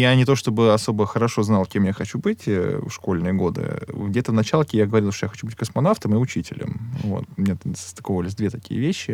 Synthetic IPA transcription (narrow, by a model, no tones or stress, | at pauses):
janʲɪt̪o̞ʂt̪o̞bɨɐso̞bəxəɾɐʂo̞znalˠkʲemjaxɐt͡ɕubɨtʲfʂko̞lʲnɨjəɡo̞d̪ɨ̰ɡdʲet̪əvnɐt͡ɕalˠkʲɪjaɡəvɐɾʲilˠʃʂt̪ojaxɐt͡ɕubɨtʲkəsmɐnaft̪əmɨʊt͡ɕitʲɪlʲə̰mvo̞̰t̪mnʲet̪sst̪əkɐvolʲɪs̬ʲd̪vʲet̪ɐkʲḭjə̰vʲeɕːɪ